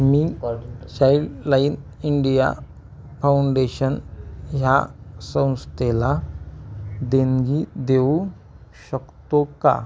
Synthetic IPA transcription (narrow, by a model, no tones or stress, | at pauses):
miːɕajɽlainiɳɖija̰ | fawuɳɖeɕənɦjasə̃w̃st̪ela | d̪enɡid̪eu | ɕəkt̪oka̰